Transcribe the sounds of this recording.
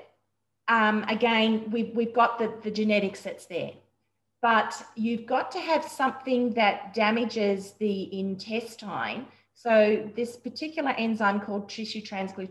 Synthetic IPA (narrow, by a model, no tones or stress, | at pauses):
ʌ̃mɨɡɛ̃nwiwivɡɑt̪̚ðɨðɨd͡ʒɨnɛɾɨksɨtsðə˞ | b̥ʌt͡ʃjʉvɡɑtʰɨːv̥sʌ̃mθɪ̃ŋðɨt̚d̥æmɨd͡ʒɪzðiʔɪ̃ntʰɛstʰãɪ̃m | soʊðɪspə˞tʰɪkʰjl̩ˠə˞ʔɛ̃ndzãnkʰɔlˠd̚tʰɹ̥ɪʃʉtʰɹ̥æ̃nsɡlʉ